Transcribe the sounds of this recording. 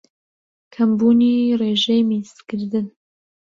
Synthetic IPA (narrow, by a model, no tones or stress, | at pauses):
kʰɐmbuːniːreːʒɛjmist̪kɨɾd̪ɨn